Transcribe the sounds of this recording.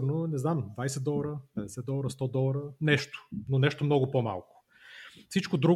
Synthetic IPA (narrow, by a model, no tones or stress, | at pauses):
ɾnonɛznamd̪vajsɛt̪̚d̪ɔlˠɐɾəpɛd̪ɛsɛt̪̚d̪ɔlˠəɾəst̪ɔd̪ɔlˠɐɾənɛʃt̪ʊ̥nonɛʃt̪omnɔɡʊpoma̰lˠkʊ̥ | fsit͡ʃkʊd̪ɾu